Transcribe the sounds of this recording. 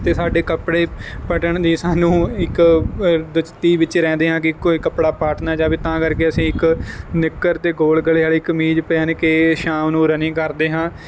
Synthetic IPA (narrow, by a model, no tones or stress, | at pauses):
t̪eːsaːɖeːkəpɽeːpəʈəɳd̪iːsaːnũːɪk | d̪ʊt͡ʃt̪iːʋɪt͡ʃɾɛ̃ːnd̪eːɦãːkɪkoːikəpɽaːpaːʈʰnaːd͡ʒaːʋit̪ãːkəɾkeːəsĩːɪknɪkːəɾt̪eːɡoːlɡəleːɦaːleɪkmiːd͡ʒpeːənkeːʃãːmnũːɾənĩːkəɾd̪eːɦãː